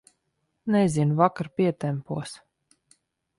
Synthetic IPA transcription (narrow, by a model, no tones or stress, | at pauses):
nɛzʲinvakaɾpʲiɛt̪ɛmpuɔs